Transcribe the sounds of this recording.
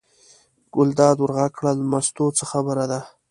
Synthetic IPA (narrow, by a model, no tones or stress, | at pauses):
ɡ̥ʊld̪ɑd̪wəɾɣakɽalamast̪ot͡səxabəɾad̪a